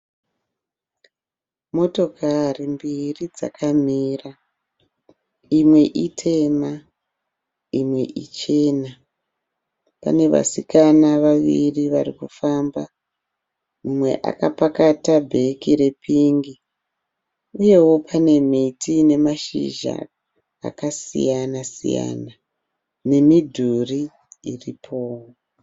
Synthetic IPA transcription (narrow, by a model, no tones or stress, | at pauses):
mo̞to̞kʰarimbirid͡za̰kʰamiːra | imwe̞ʔitʰe̞ma | imwe̞̰ʔit͡ʃe̞ːna | pa̰ne̞ʋa̰sikanaʋaʋḭriʋarikufamba | mumwe̞̰ʔa̰kapakatabʱe̞kiɾe̞piŋɡi | uje̞wo̞pʰane̞mitʰine̞maʃḭʒa̰ | a̰kasḭjanasḭja̰na | ne̞midʱuri | iripʰo̞ːwo